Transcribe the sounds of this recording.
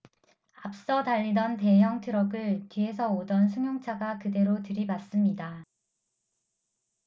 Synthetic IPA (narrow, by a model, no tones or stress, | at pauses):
ap̚s͈ʌtaʎːidʌnte̞ɦjʌŋtʰɯɾʌɡɯɭtɥie̞s̬ʰʌodʌnsʰuŋjoŋt͡ɕʰaɡakɯde̞ɾotɯɾibas͈ɯmɲida